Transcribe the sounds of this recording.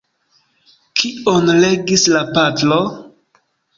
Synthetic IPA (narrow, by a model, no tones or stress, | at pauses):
kʰionleɡislapatlo